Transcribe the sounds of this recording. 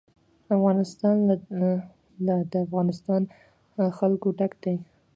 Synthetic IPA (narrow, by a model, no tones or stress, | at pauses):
afɣɑnɪst̪ɑn | lad̪əafɣɑnɪst̪ɑn | xalkoɖakd̪aj